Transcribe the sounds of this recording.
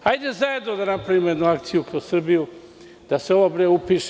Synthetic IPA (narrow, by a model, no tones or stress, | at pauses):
hajd̪ezae̞d̪nod̪anapɾaʋiːmojed̪nuakt̪sijukausr̩biju | d̪̥aseoʋabɾeupiːʃ